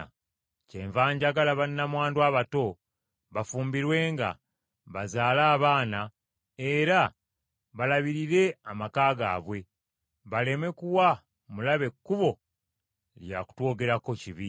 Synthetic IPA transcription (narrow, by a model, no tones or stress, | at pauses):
ce̞ːɱvaːɲɟaɡalaβanːamwaːndwaːβato̞ | βafuːmbiɾwe̞ːŋɡa̰ | βazaːlaːβaːna | e̞ɾa | βalaβiɾiɾe̞amakaːɡa̰ːβwe̞ | βale̞me̞kuwa | mulaβe̞kːuβo̞ | lja̰ku̥two̞ːɡe̞ɾako̞ciβi